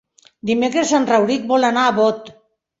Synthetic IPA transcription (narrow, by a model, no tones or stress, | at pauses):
d̪imekɾesanrawɾik̚bolanaːβot̪